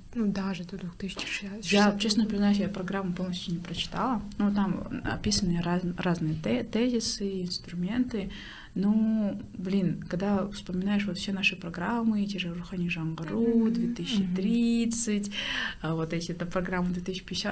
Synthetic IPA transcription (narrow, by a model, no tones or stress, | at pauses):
nud̪aʐɨd̪od̪vuxt̪ɨsʲɪ̥t͡ʃɪ̥ʂjat͡ɕesnəpəɾʲɪznajus̬japɾɐɡɾamːɨpo̞lˠnəsʲtʲʊnʲɪpɾət͡ɕɪ̥t̪alˠənut̪amɐ̰pʲisənɨəɾaraznɨjəɛt̪ɛzʲɪsɨɪnst̪ɾʊmʲe̞nt̪ɨ | noblʲinkɐɡd̪afspəmʲɪnajɪʂvot̪fsʲenaʂɨpɾɐɡɾamːɨtʲeʐɨrʊxanʲiʐɐnɡɐɾud̪vʲet̪ɨsʲɪt͡ɕːɪt̪ɾʲit̪sɨtʲəvot̪ɛtʲɪɛt̪əpɾɐɡɾamːəd̪vʲet̪ɨsʲːɪ̥pʲɪdʲɪsʲa